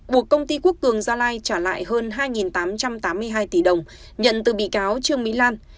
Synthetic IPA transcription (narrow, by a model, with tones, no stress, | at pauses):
ku˨˩əkːə˧wŋ͡mt̪i˧ku˦˥ək̚t̪ɨ˨˩əŋzaː˧laː˧jt͡ɕaː˧˩la̰ː˧˨jɦəː˧nɦaː˧jŋi˨˩nt̪aː˨˦mt͡ɕa˧mt̪aː˨˦mːɨ˧əjɦaː˧jt̪i˧˩ɗə˨˩wŋ͡m | ɲə̰˧˨nt̪ɨ˨˩ɓḭ˧˨kaː˨˦wt͡ɕɨ˧əŋmḭ˧˥laː˧n